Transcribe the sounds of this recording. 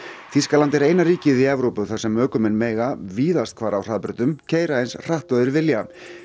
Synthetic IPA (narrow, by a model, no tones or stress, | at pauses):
θiskalant̪ɛɾejnariːcɪðiɛvɾowpʏθasɛmœːkʏmɛnmɛːjɣaviːðast̪kʰvaːɾawr̥aːðpɾʏt̪ʏmcʰeːjɾaejnsr̥aht̪œðʏɾvɪlja